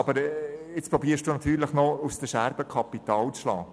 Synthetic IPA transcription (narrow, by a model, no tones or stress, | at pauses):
ɑb̥əɾɪt͡spɾɔbiːəʃd̥uːnɑt̪ʰyːɾləχnɔusd̥əʃæɾb̥əkʰɑpit̪ɑːlt͡sʃlɑː